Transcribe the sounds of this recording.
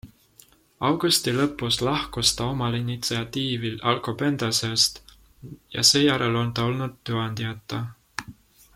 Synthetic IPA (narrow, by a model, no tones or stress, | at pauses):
ɑwɡ̥ust̪ilɤ̞pːˑuslɑhkust̪ɑo̞mɑlinit̪siɑt̪iːvilɑlkope̞nd̪̥ɑsest̪ | jɑ̰se̞ːjæɾelo̞nt̪ɑo̞lnud̪̥̚ːuɑnd̪iɑt̪ːˑɑ